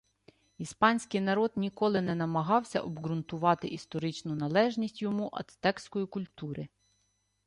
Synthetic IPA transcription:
ispɑnʲsʲkɪjnɐɾɔd̪nʲikɔlˠɪnɛnɐmɐɦɑwsʲɐ̰ʔɔbɡɾʊnt̪ʊʋɑt̪ɪʔist̪ɔɾɪt͡ʃnʊnɐlˠɛʒnʲisʲtʲjɔmuʔɐ̰d̪t̪ɛkskɔjikʊlʲt̪uɾɪ

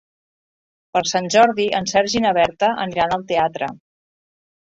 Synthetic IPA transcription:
pəɾsanʲʒɔɾðiʔənsɛɾʒinəβɛɾt̪əʔəniɾanəlˠt̪eat̪ɾə̰

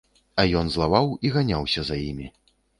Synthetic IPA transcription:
ajɔnzlˠavawiɣanʲawsʲɐzajimʲi

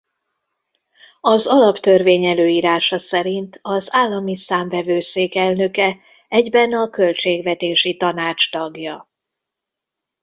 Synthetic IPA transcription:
ɒzɒlɒpt̪ø̞rveːɲɛløːjiːɾaːʃɒsɛɾint̪ɒzaːlːɒmisaːɱvɛvøːseːkɛlnø̞kɛ | ɛɟbɛnɒkø̞lt͡ʃeːɡvɛt̪eːʃit̪ɒnaːt͡ʃt̪ɒɡjɒ

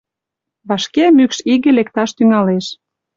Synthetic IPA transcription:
βɑʃkemykʃiɣĕlek̚t̪ɑʃt̪yŋɑleʃ

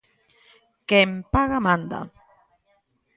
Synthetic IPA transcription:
kempaɣamand̪a̰

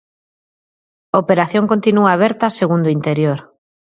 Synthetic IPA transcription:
opeɾaθjõŋkont̪inuaːβɛɾt̪ɐseɣund̪oint̪eɾjoɾ

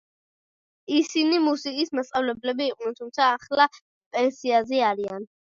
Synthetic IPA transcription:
isinimusikʼismast̪sʼavlɛblɛbiːqʼnɛnt̪ʰumt̪sʰaːχla | pʼɛnsiaziaɾian

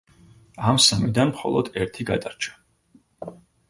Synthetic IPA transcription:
amsamid̪anmχɔ̰lˠɔd̪̥ɛɾt̪ʰiɡad̪aɾt͡ʃʰḁ

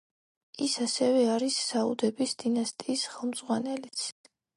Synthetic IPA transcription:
isasɛvɛaɾisːaṵd̪ɛbisd̪̥inast̪ʼiːsχɛlˠmd̪z̥ʁwanɛlit̪sʰ

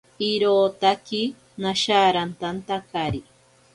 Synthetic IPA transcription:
iɾoːt̪aki | naʃaːɾant̪ant̪akaɾi

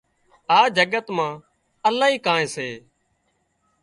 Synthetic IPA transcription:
aːd͡ʒəɡət̪mãː | əlaːɦiːkãːẽːseː

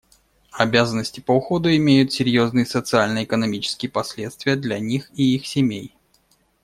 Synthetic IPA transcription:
ɐbʲazənːəsʲtʲɪpəʊxo̞d̪ʊɪmʲejʊt̪sʲɪɾʲjo̞znɨjəsət̪sɨalʲnəɪkənɐmʲit͡ɕɪ̥skʲɪjəpɐsʲlʲe̞t̪st̪vʲɪjəd̪lʲɐnʲixiixsʲɪmʲej

